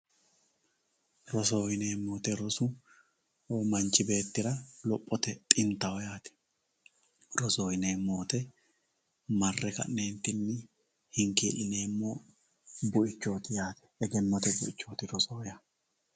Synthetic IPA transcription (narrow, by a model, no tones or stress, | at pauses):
ɾɔsoːhɪneːmːoːt̪ɛɾɔsʊ | mɐnt͡ʃɪbe̞ːt̪ːɪɾɐlɔpʼːɔt̪ɛt̪ʼɪnt̪ɐwɔjaːt̪ɛ̥ | ɾɔsoːhɪne̞ːmːoːt̪ɛ | mɐrːɛkɐ̰nne̞ːnt̪ːɪnːɪ | hɪŋkeːlɪne̞ːmːoː | bʊɪt͡ʃːo̞ːt̪ɪjaːt̪ɛ̥ɛɡɛnːɔt̪ɛbʊʔɪt͡ʃːo̞ːt̪ɪɾɔsoːjaː